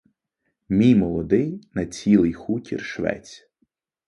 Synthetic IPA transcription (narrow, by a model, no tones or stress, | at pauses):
mʲijmɔlˠɔd̪ɪjnɐt͡sʲilˠɪjxutʲḭrʃʋɛ̰t͡sʲ